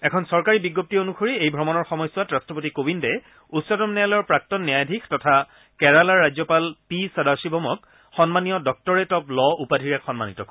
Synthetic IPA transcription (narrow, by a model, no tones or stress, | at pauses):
ɛkʰɔnsɔɹkaɹibiɡːop̚tionuxoɹiejbʱɹɔmɔnɔɹxɔmɔjswatɹastɹɔp̬otikobindɛ | utsɔtɔmnɛjalɔjɔɹpɹak̚tɔnːiajdʱikʰtɔtʰa | kɛɹalaɹːazɔpalpisadasibʱɔmɔk | xɔnmanijɔdɔk̚tɔɹɛtɔplɔupadʱiɹakxɔnmanitɔkɔ